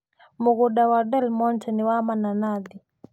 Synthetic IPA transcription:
muɣuɗawadɛlmɔntɛniwamananadi

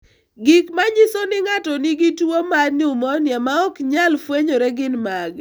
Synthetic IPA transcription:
ɡɪkmaɲɪsonɪŋatɔnɪɡɪtwomadnɪʊmɔnjamaɔkɲalfweɲoɾɛɡɪnmaɡ

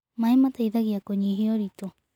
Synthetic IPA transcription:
maemat̪aiðaɡiakoɲiɦioɾit̪o

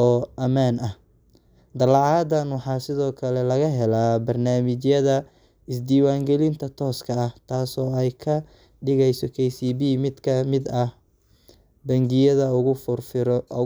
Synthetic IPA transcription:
ɔːʔɐmaːnɐh | d̪ɐlɑʕɑːd̪ɐnwɑħɑːsɪðɔːkʰɐlɛlɐɣɐɦɛlaːbɐrnaːmɪt͡ʃjɐðɐ | ɪsd̪iːwaːŋɡɛlɪnt̪ʰɐt̪ʰɔːskʰɐːht̪ʰaːsɔːɛjkʰɐ | ɖɪɣɛjsɔkʰɛjsiːbiːmɪd̪kʰɐmɪd̪ɐh | bɐŋɡɪjɐðɐʊɣʊ

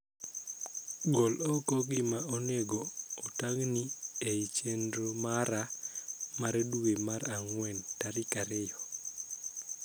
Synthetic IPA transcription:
ɡɔlɔkɔɡɪmaoneɡoːtaɡnieit͡ʃendɾomaɾa | maɾduemaɾaŋwɛntaɾikaɾejɔ

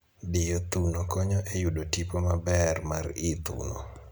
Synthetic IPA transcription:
dɪjot̪unokɔɲɔʔejudotipomabɛrmaɾɪt̪ṵnɔ̰

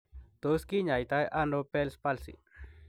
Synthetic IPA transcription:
t̪uskiɲajt̪ajʔanopelspalsḭ

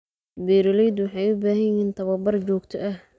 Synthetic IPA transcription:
bɛːɾɪlɛjd̪wɑħɑjʊbaːɦɐjjiːnt̪ʰɐβɐbɐrt͡ʃɔːɡt̪ʰɔʔɐh

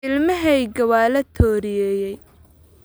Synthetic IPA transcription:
ɪlmɐɦɛjɡɐwaːlɐt̪ʰɔːɾɪjɛːjɛj

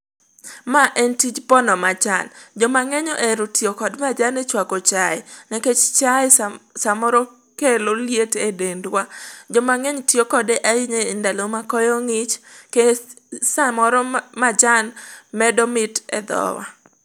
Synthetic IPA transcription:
maʔɛntit͡ʃpɔnɔmat͡ʃa̰nd͡ʒɔmaŋɛɲɔʔɛɾotiokɔdmad͡ʒanet͡ʃwakot͡ʃaɪnɛket͡ʃt͡ʃaɪsamɔɾɔ | keloljetedendwad͡ʒɔmaŋɛɲtiokɔdeʔaiɲeɪndalomakɔjoŋɪt͡ʃke | samɔɾɔmad͡ʒanmɛdɔmɪtɛ̰d̪ɔ̰wa̰

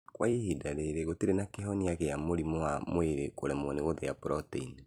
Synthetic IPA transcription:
kwaihidaɾeɾeɣoteɾenakeɦɔniaɣejamoɾimoamoeɾekoɾɛmwɔneɣoðɛjapɾɔteine

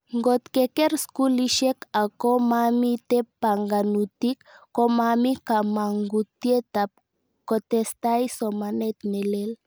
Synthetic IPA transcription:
ŋɡot̪kekeɾskuliʃekakomamit̪epaŋɡanut̪ikːomamikamaŋɡut̪iet̪ap̚ | kot̪est̪ajsomanet̪nelel

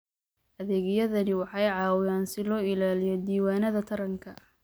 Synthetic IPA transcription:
ʔɐðɛːɣɪjɐðɐnɪwɑħɑjʕɑːwɪjaːnsɪlɔːɪlaːlɪjɔd̪iːwaːnɐðɐt̪ʰɐɾɐŋkʰɐ

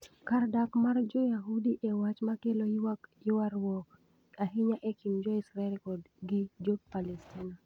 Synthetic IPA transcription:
kardakmard͡ʒɔjaɦudiʔɛwat͡ʃmakelowaɪwaɾwɔk | aɦɪɲaʔɛkimd͡ʒɔisɾaɛlkɔd | ɡɪd͡ʒopalɛstina

